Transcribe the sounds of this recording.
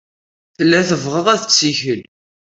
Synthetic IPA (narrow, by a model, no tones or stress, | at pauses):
θəlːæθəvʁəʁæθət͡sːiçəl